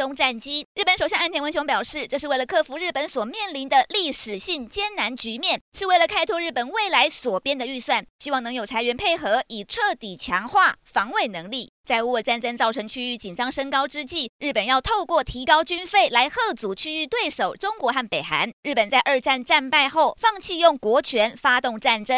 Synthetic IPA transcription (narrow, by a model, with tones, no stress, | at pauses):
ʊ˥ŋʈ͡ʂa˥˩nt͡ɕi˥ɻ̩˥˩pə˧˦nʂo˨˩ʊjɑ˥˧ŋ˧˥˩nt̪ʰjɛ˧˥wə˧˥ɕjʊ˧˥ŋpjɑ˨˩ʊʂɻ̩˥˩ʈ͡ʂɤ˥˧ʂɻ̩˥˧we˥˩ɪlə˩kʰɤ˥˩fu˧˥ɻ̩˥˩pə˧˥nswɔ˨˩mjɛ˥˩nli˧˥nd̪ə˧li˥˩ʂɻ̩˨˩ɕi˥˩ŋt͡ɕjɛ˥nna˧˥nt͡ɕy˧˥mjɛ˥˩nʂɻ̩˥˧we˥˩ɪlə˩kʰa˥ɪt̪ʰwɔ˥ɻ̩˥˩pə˨˩nwe˥˩ɪla˧˥ɪswɔ˨˩pjɛ˥nd̪ə˨y˥˧swa˥˩nɕi˥wɑ˥˩ŋnɤ˧˥ŋjo˨˩ʊt͡sʰa˧˥ɪɥɛ˧˥npʰe˥˩ɪxɤ˧˥i˨˩ʈ͡ʂʰɤ˥˩t̪i˨˩t͡ɕʰjɑ˧˥ŋxwa˥˩fɑ˧˥ŋwe˥˩ɪnɤ˧˥ŋli˥˩ | t͡sa˥˧ɪu˧˥ə˨˩ʈ͡ʂa˥˩nʈ͡ʂə˥ŋt͡sɑ˥˩ʊʈ͡ʂʰɤ˧˥ŋt͡ɕʰy˥y˧˥˩t͡ɕi˨˩nʈ͡ʂɑ˥ŋʂə˥ŋkɑ˥ʊʈ͡ʂɻ̩˥t͡ɕi˥˩ɻ̩˥˩pə˨˩njɑ˥˧ʊt̪ʰo˥˧ʊkwɔ˥˩t̪ʰi˧˥kɑ˥ʊt͡ɕy˥nfe˥˩ɪla˧˥ɪxɤ˥˩t͡su˨˩t͡ɕʰy˥y˥˧t̪we˥˩ɪʂo˨˩ʊʈ͡ʂʊ˥ŋkwɔ˧˥xa˥˩npe˨˩ɪxa̰˧˥nɻɻ̩˥˩pə˨˩nt͡sa˥˧ɪʔə˞˥˧ʈ͡ʂa˥˧nʈ͡ʂa˥˧npa˥˧ɪxo˥˧ʊfɑ˥˧ŋt͡ɕʰi˥˧jʊ˥˩ŋkwɔ˧˥t͡ɕʰɥɛ˧˥nfa˥t̪ʊ˥˧ŋʈ͡ʂa˥˩nʈ͡ʂə˥n